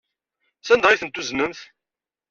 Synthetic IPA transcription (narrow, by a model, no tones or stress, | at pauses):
sænd̪ʁiθənt̪ːuznəmθ